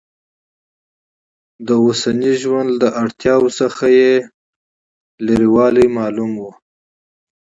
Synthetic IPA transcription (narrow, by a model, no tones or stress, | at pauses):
d̪əosaniʒwand̪ːəʔaɽt̪jɑwsəxaje | leɾiwɑlijmɑlumwu